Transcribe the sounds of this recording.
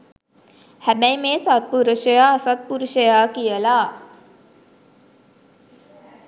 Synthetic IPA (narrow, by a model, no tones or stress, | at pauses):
hæbæjmeːsat̪̚puɾuʃəjaːsat̪̚puɾuʃəjaːkijəlaː